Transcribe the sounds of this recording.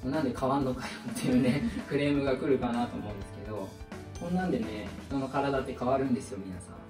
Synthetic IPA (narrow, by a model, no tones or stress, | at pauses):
monːãnd̪e̞kʰaβanːokajot̪ːejɯ̟ne̞kɯ̟ɾe̞ːmɯ̟ɡakɯ̟ɾɯ̟kanaːt̪o̞̰ːmo̞ɯ̟̃nd̪e̞sɨ̥ke̞d̪o̞ | kõnːãnd̪e̞ne̞sono̞kaɾad̪at̪ːekaβaɾɯ̟̃nd̪e̞sɨjo̞mʲinasã̰